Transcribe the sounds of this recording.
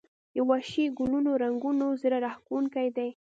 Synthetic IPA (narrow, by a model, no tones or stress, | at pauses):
d̪əwaʃiɡʊlunoɾaŋɡunozəɾaɾahkuuŋkajd̪aj